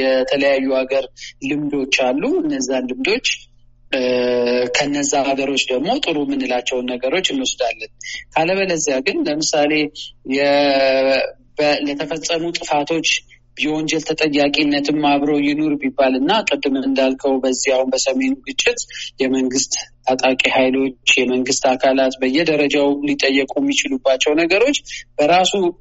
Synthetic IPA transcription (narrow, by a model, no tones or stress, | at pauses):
jɛt̪ʰələjajːuhaɡəɾlɨmd̪o̞t͡ʃːalːuɨnːəzːanlɨmd̪o̞t͡ʃː | kʰəɨnːəzːaaɡəɾo̞t͡ʃːd̪əɡmo̞t̪ʼɨɾumɨnɨlat͡ʃːɛwnːəɡəɾo̞t͡ʃːɨnːwɔsd̪alːənkʰaləβələzːjaɡɨnləmɨsale̞jɛ | bələt̪ʰəfəsʼːəmut̪ʼɨfat̪ʰo̞t͡ʃː | bjwond͡ʒɛlt̪ʰət̪ʼəjːakʼinːət̪ʰɨmːaβɾowjɪno̞ɾbibːalɨnːakʼɨd̪ːɨmɨnd̪alkʰəwbəzːiahunbəsəme̞nuɡɨt͡ʃʼːɪt̪jɛməŋɡɨst̪ | at̪ʼakʼihajlo̞t͡ʃːjɛməŋɡɨst̪akʰalat̪bəjːɛd̪əɾəd͡ʒawlit̪ʼəjːəkʼumːit͡ʃɪlubːat͡ʃːɛwnəɡəɾo̞t͡ʃːb̥əɾasu